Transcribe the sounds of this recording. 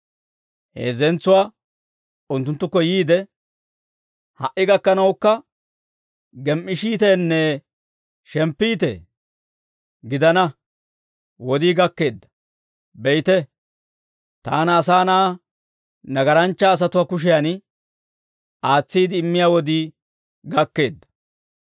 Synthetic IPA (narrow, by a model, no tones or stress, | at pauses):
hḛːzɛnt͡sːʊwaː | ʊnt̪ːʊnt̪ːʊkːɔjiːd̪ɛ | hɐ̰ʔːɪɡɐkːɐnɐwkːɐ | ɡɛmʔɪʃiːt̪ɛnːɛ | ʃɛmpːiːt̪ḛ | ɡɪd̪ɐnɐ | wɔd̪iːɡɐkːe̞ːd̪ːɐ̥ | bɛjt̪ɛ | t̪aːnɐsaːnaː | nɐɡɐɾɐnt͡ʃːaːs̬ɐt̪ʊwakʊʃ̬ɪjan | ʔaːt͡sːiːd̪ɪːmːɪjaːwɔd̪iː | ɡɐkːe̞ːd̪ːɐ̥